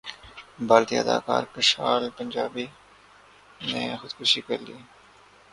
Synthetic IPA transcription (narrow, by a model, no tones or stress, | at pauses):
baːlt̪iəd̪a̰ːkaːɾkəʃaːlpənd͡ʒaːbiː | nẽːxʊd̪kʊʃikəɾliː